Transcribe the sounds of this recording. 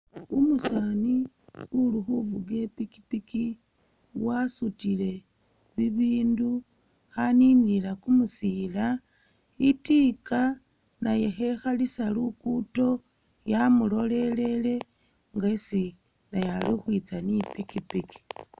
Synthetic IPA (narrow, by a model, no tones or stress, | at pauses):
umusani | uluxuvuɡe̞piki̥piki | wasutile̞ | βiβiːndu | xaniːniilakumusila | itika | naje̞xe̞xalisalukuto̞ | jamulo̞le̞le̞le̞ | ŋɡaisi | najalixwit͡sanipikipiki̥